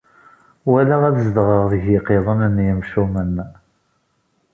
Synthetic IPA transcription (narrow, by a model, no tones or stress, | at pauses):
wælæʁæðzd̪ʁəʁðəʝɪqeðˤənənːjəmʃumən